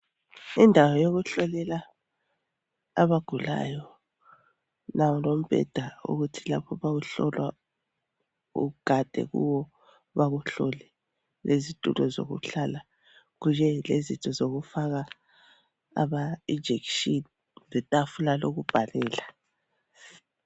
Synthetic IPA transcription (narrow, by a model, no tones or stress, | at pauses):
indʱawɔjoɣuɬɔlɛla | aβaɡ̥ʱula̰jɔ | nawɔlom̩b̥ʱɛ̰d̥ʱaṵɣutʰila̰pʰɔβaɣuɬɔlwa | ṵɡ̥ʱad̥ʱɛ̰ɣṵwɔ | βaɣuɬɔlɛ | lʔezitʼṵlɔzo̰ɣṵɬala | ɣujɛlezintʰʼɔzoɣufaɣa | βaid͡ʒʱɛkʃin | zɛtʼafulaloɣub̥ʱalɛːla